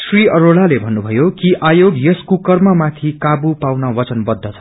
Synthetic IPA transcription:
sriʌɾoɭalebʱʌnːubʱʌjokiʔajoɡjʌskukʌrmʌmat̪ʰikabupawnʌwʌt͡sʌnbʌd̪ʱːʌt͡sʰʌ̥

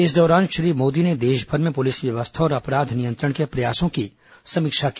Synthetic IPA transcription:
ɪs̬d̪ɔːɾaːnʃɾiːmoːd̪ined̪eːʃbʱəɾmẽpʊlɪsʋjɐʋəst̪ʰaɔːɾɐpɾaːd̪ʱnijə̃nt̪ɾəɽ̃kepɾɐjaːsõki | sɐmɪkʃaki

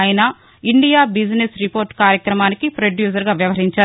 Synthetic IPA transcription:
jɐnɐ | iɳɖijaːbid͡ʒnesɾipoːɾʈkaːɾjɐkɾɐmaːnikipɾoɖjuːs̬ɐɾɡaːʋjɐʋɐɦiɲt͡ʃaːɾu

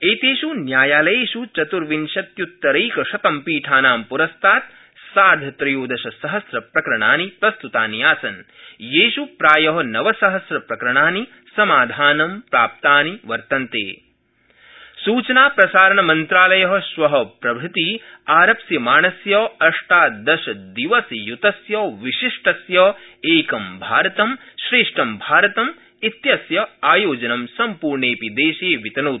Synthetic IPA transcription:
eːt̪eːʃunjaːjaːlɐjeːʃut͡ʃɐt̪uɾʋinʃɐt̪jut̪ːɐɾɐjkɐʃɐt̪ɐmpiːʈʰaːnaːmpuɾɐst̪ʰaːt̪ | saːd̪ʱɐt̪ɾɐjoːd̪ɐʃɐsɐɦɐsɾɐpɾɐkɾɐɳa̰ːnipɾɐst̪ut̪aːnijaːsɐn | jeːʃupɾaːjɐɦɐnɐʋɐsɐɦɐsɾɐpɾɐkɾɐɳaːni | sɐmaːd̪ʱaːnɐmpɾaːp̚t̪aːniʋɐɾt̪ɐnt̪ḛː | suːt͡ʃɐnaːpɾɐsaːɾɐɳɐmɐnt̪ɾaːlɐjɐɦɐʃʋɐɦɐpɾɐbʱɾut̪iaːɾɐpsjɐmaːnɐsjɐːɐʂʈaːd̪ɐʃɐd̪iʋɐsjut̪ɐsjɐːʋiʃiʂʈɐsjɐeːkɐmbʱaːɾɐt̪ɐmʃɾeːʂʈɐmbʱaːɾɐt̪ɐm | it̪jɐsjɐaːjoːd͡ʒɐnɐmsɐmpuːɾɳeːpid̪eːʃeːʋit̪ɐnoː

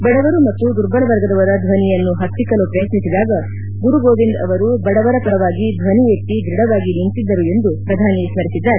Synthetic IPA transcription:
bɐɽɐʋɐɾumɐt̪ːud̪uɾbɐɭɐʋɐɾɡɐd̪ɐʋɐɾɐd̪ʱʋɐnijɐnːuɦɐt̪ːikɐlupɾɐjɐt̪nisid̪aːɡɐ | ɡuɾuɡoːʋind̪ɐ̰ʋɐɾubɐɽɐʋɐɾɐkɐɾɐʋaːɡid̪ʱʋɐnijet̪ːid̪ɾiɽɐʋaːɡinint̪id̪ːɐɾue̞nd̪upɾɐd̪ʱaːnismɐɾisid̪ːaːɾe

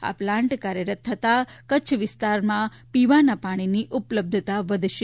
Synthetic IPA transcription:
a̰plãɳʈkaɾjəɾət̪ʰːət̪akət͡ʃʰʋɪst̪aɾmã | piʋanapaɽ̃iniʔupləb̚d̪ʱət̪aʋəd̪ʱʃe

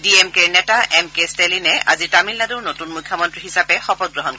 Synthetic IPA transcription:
diemkeɹnɛtaʔɛmkestelinɛʔa̰zitamilnaduɹnotunmujkʰːjɔmɔntɹiɦisapɛxɔpɔt̚ɡɹɔɦɔnk

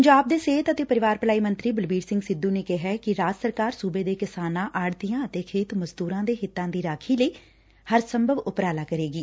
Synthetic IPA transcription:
əɲd͡ʒaːb̚d̪eːseːt̪ət̪eːpəɾɪʋaːɾpəlaːiːmənt̪ɾiːbəlbiːɾsɪ̃ŋɡsɪd̪ːũːneːkɪɦɛːkɪɾaːd͡ʒsəɾkaːɾsuːbeːd̪eːkɪsaːnãːʔaːɽd̪ijãːət̪eːkʰeːt̪məzd̪uːɾãːd̪eːɦɪt̪ːãːd̪iːɾaːkʰiːləiː | həɾsəmbʱəʋʊpɾaːlaːkəɾeːɡiː

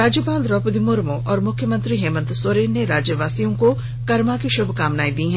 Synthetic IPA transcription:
ɾaːd͡ʒjəpaːlɾɔːpd̪imʊɾmoʔɔːɾmʊkʰjəmə̃nt̪ɾiɦɛːmə̃nt̪soːɾeːnːeɾaːd͡ʒjəʋaːsijõko | kɐɾmakiʃʊbʱkaːmnaːid̪iːɦɛ̃

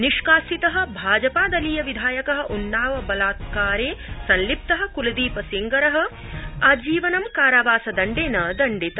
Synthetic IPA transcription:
niʃkaːsit̪ɐɦɐ̆bʱaːd͡ʒɐpaːd̪ɐliːjɐʋid̪ʱaːjɐkɐɦɐ̆ʔunːaːʋɐbɐlaːt̪kaːɾeːsɐnlip̚t̪ɐɦɐ̆kulɐd̪iːpɐsiŋɡɐɾɐɦɐ̆ | ad͡ʒiːʋɐnɐmkaːɾɐʋaːsɐd̪ɐɳɖeːnɐd̪ɐɳɖit̪ɐ

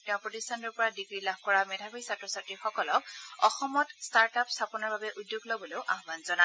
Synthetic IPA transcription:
tɛʊ̃pɹotistʰantɔɹpɔɹadiɡɹilabʱkɔɹamɛdʱabʰɔjsatɹɔsatɹixɔkɔlɔk̚ɔxɔmɔtstaɹtapstʰapɔnɔɹbabɛʔudːjuɡlobɔlojʊʔaɦbanzɔna

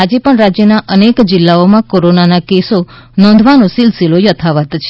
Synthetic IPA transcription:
ad͡ʒepəɳɾad͡ʒjənaʔənekd͡ʒɪlːaomãkoɾonanakeso | nɔ̃nd̪ʱʋanõsɪlsilojət̪ʰaʋət̪t͡ʃʰe

